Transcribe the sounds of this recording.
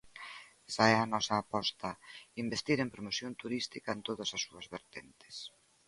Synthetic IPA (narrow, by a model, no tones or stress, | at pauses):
ɛsaɛanɔsɐːpɔst̪ɐimbest̪iɾempɾomosjont̪uɾist̪ikɐent̪oðɐsasːuɐzβeɾt̪ent̪e̥s